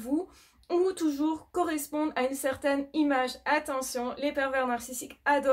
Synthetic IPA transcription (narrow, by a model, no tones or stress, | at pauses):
vu | ut̪uʒuːʁkɔʁɛspɔ̃d̪aynsɛʁt̪ɛnimaʒat̪ɑ̃sjɔ̃lepɛʁvɛʁnaʁsisikad̪ɔ